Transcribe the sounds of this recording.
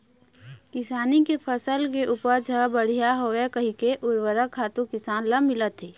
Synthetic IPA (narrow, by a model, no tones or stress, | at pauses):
kɪsaːnikepʰəsəlkeʔupəd͡ʒʱəbəɽ̤ijaɦowekəɦikeʔʊɾwəɾəkʰːaːt̪ũkɪsaːnləmɪlət̪ɦeː